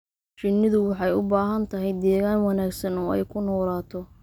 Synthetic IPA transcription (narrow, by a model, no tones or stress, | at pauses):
t͡ʃɪnːɪðʊwɑħɑjʊbaːɦɐnt̪ʰɐɦɛjd̪ɛːɣaːnwɑnaːɡsɐnɔːɛ̰jkʰʊnɔːlaːt̪ʰɔ